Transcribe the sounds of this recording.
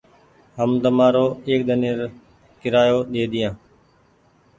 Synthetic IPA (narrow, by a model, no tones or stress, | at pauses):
ɦəmd̪əmaːɾoːeːk̚ɗ̪əniːɾ | kɪɾaːjoːɗ̪eːd̪ɪjãː